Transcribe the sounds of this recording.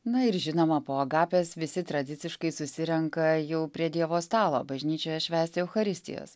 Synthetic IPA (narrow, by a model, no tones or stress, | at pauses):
nɐɪɾʒʲɪnoːmɐpoːɐɡɑːpʲeːsʋʲɪsʲɪt̪ɾɐd̪ʲɪt̪sʲɪʃkɐɪsʊsʲɪɾʲɛŋkɐjɛʊpʲɾʲiɛd̪ʲiɛʋoːst̪ɑːlˠo̰ːbɐʒʲnʲiːt͡ʃʲoːjɛʃʲʋʲæːsʲt̪ʲɪɛʊxɐɾʲɪsʲt̪ʲɪ̰jo̰ːs